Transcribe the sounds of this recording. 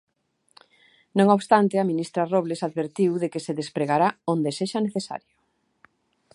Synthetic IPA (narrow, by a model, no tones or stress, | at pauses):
nõŋoβst̪ant̪eamĩnist̪ɾaroβlesaðβeɾt̪iwðekeseðespɾeɣaɾaond̪eseʃaneθesa̰ɾjʊ